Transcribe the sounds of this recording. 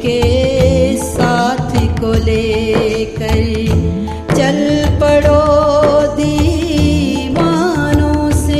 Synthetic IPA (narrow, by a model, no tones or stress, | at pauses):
ke | saːt̪ʰikoleːkɐɾi | t͡ʃɐlpəɽo | d̪i | ʋaːnõsẽ